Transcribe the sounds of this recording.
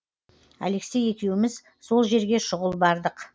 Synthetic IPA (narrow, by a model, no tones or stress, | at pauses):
æ̰le̞kse̞je̞kʲe̞wɪmɪz | so̞lˠʒe̞ɾɡʲe̞ʃʊʁəlˠbɑɾd̪əq